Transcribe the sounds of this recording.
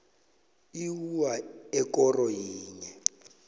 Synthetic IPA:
iwuwaɛkʼɔrɔjiːɲɛ

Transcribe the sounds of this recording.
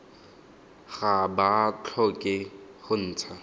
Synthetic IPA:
χabat͡ɬʰɔkʼɪχʊn̩ːt͡sʰa

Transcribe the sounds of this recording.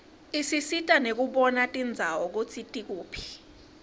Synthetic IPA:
isisitʼanek̬uɓɔnatʼind͡zʱawɔk̬ut͡sʰitʼik̬uːpʰi̥

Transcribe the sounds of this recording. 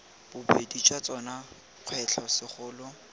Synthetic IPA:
b̥ʊbedit͡ʃʼwat͡sʼɔna | q͡χʰwɛt͡ɬʰɔsɪχʊːlʊ

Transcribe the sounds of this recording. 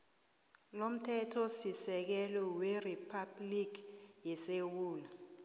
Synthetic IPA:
lom̩tʰɛtʰɔsisɛk̬ɛlɔweripʰablik̬ʰjɛsewuːlu

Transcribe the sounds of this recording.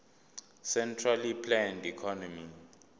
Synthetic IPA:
sɛntʰralipʰlɛndikʰɔnɔmi

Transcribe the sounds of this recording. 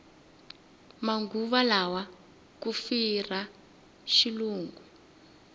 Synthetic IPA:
maŋɡuβalawa | kufira | ʃiluːŋɡu

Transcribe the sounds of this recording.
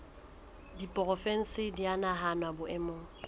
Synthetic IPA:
dipʼɔrɔfen̩sɪdianaɦanwabʊʔɛmoː

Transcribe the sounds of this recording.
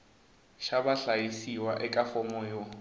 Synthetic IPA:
ʃabaɬajisiwaʔɛkʼafɔmɔjo

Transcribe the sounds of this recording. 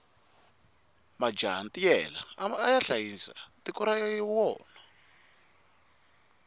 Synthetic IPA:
mad͡ʒa̰ntijɛla̰ːjaɬajinsa̰tikɔɾajɔjiwɔ̰ːna

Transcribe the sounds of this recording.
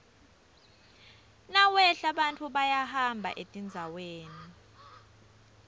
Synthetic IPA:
nawɛɬaɓantʰʼuɓajahambʱa̰ʔetʼind͡zʱaweːni

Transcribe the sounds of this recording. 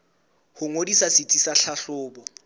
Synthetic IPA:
hʊŋodisasɪt͡sʼisaɬʰaɬʊːbɔ

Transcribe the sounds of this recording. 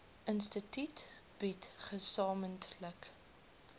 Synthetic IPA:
ʔənstətyt | b̥itχəsɑːməntlək

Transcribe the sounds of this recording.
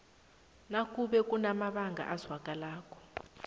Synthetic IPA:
nakʼuɓɛkʼunamaɓaŋɡʱa̰ʔazwakʼalaːkʰʼɔ̥

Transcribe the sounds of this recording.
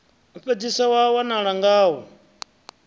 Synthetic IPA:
uɸɛd͡zisawawanaɺaŋɡaːwɔ

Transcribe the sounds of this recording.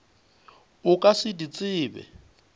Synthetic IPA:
ʊkʼasɪdit͡sʼɪːbɛ̰

